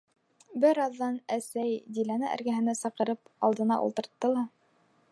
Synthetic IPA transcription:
bɘɾɑðːɑnæsæjd̪ilænɘʔæ̰ɾɡæɦɘ̆næsɑqɤ̆ɾɤpɑ̰lˠd̪ɤ̆nɑ̰ʔṵlˠt̪ɤ̆ɾt̪ːɤlˠɑ

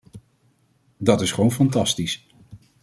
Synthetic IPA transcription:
dɑtɪsχʋownfɑntɑstis

